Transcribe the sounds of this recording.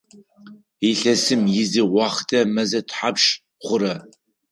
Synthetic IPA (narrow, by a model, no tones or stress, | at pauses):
iɬɐsɨmjɪzɨwɑχdʰɐmɐzɐtʰħapʃ | χʷʊɾɐ